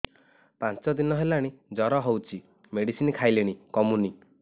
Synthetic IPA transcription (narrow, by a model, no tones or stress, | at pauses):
pant͡ʃɔd̪inɔɦelaɽ̃id͡ʒɔɾɔɦowt͡ʃʰi | meɽisinkʰajleɽ̃ikɔmuni